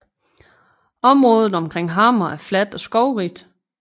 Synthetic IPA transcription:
ɒ̽mʁɔ̽ːð̞ˠð̩ˠɒ̽mkʰʁeŋ̰ɦɑ̈ːmɐæɐflæd̥ɒ̽sɡ̥ɒʊʁid̥

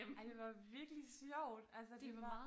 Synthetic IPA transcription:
d̥e̝ʋɑ̈ʋiɐɡ̥lisjɒʊ̰d̥ælsəde̝ɑ

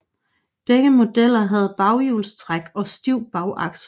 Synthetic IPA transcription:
b̥eɡ̥əmo̝d̥el̰ɐɦæð̞̩ˠb̥ɑ̈ʊjuːlst͡sʰʁaɡ̥ɒ̽sd̥iʊ̰b̥ɑ̈ʊʔɑ̈ɡ̥s

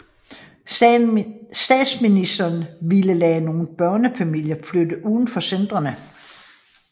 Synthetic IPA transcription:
sd̥ɛ̰̥sminisd̥ɐːnʋiləlɛːno̝ːn̩b̥ɶɐnəfæmil̰jɐflød̥əʔuðˠn̩fɒ̽send̥ʁɐnə

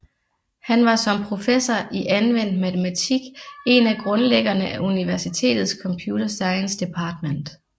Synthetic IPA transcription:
hænʋɑ̈sɒ̽mpʰʁo̝fesɐiʔænʋen̰d̥mæt͡sʰemæt͡sʰiɡ̥e̝næɡ̥ʁɔ̽nleɡ̥ɐnəʔæʔuniʋæɐsit͡sʰe̝̰ːd̥ð̩ˠskʰɒ̽mpʰjuːɾɐsɑ̈ɪnsd̥e̝pʰɑ̈ːd̥men̰d̥

